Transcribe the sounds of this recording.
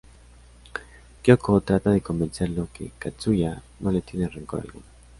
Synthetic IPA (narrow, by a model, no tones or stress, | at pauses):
kjokot̪ɾat̪aðeko̞mbenseɾlokḛkat͡suʝa | nolet̪jenereŋkoɾa̰lɣuna